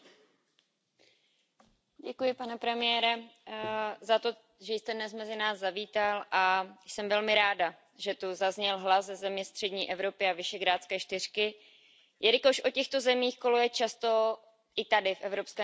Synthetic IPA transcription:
ɟɛkujɪpanɛpɾɛmɪjɛːɾɛ | zat̪o̞ | ʒɛjst̪ɛdnɛsmɛzɪnaːzzaviːt̪alʔajsɛmvɛlmɪɾaːda | ʒɛt̪uzazɲɛlɦlazzɛzɛmɲɛst̪r̥ɛdɲiːʔɛvɾo̞pɪavɪʃɛɡɾaːt͡skɛːʃt̪ɪr̥kɪ | jʔɛɾɪkoʃʔo̞cɛxt̪o̞zɛmiːxkolojɛt͡ʃast̪o̞ | ʔɪt̪adɪfʔɛvɾo̞pskɛː

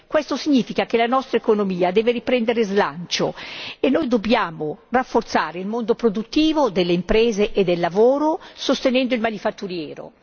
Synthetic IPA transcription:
kwɛst̪osiɲːiːfikakelanɔst̪ɾaekonomiːad̪ɛːveɾipɾɛnd̪eɾezlant͡ʃo̰enːojd̪objaːmorafːort̪saːɾeilmond̪opɾod̪ut̪ːiːvod̪elːeimpɾɛːzeʔed̪ːelːavoːɾosost̪enɛnd̪oilmanifat̪ːuɾjɛːɾo̰

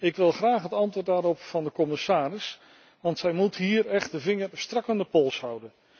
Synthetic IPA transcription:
ɪkʋɪlˠχraːχɦətɑntʋoːɹtdaːɾɔpfɑndəkɔmɪsaːrɪs | ʋɑntsɛjmutɦiːɹɛχtdəvɪŋəɹstrɑkandəpɔlˠsɦʌwdən

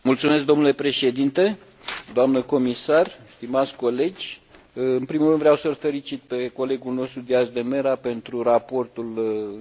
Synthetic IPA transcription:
mult̪sume̞s̬k̚d̪o̞mnule̞pɾe̞ʃe̞d̪int̪e̞ | d̪oamnəko̞misarst̪imat̪sʲko̞le̞d͡ʒʲ | ɨnpɾimulrɨnvɾeawsəlfe̞lit͡ʃit̪̚pe̞ko̞le̞ɡulno̞st̪ɾud̪iaʃd̪e̞me̞ɾape̞nt̪ɾurapo̞rt̪ul

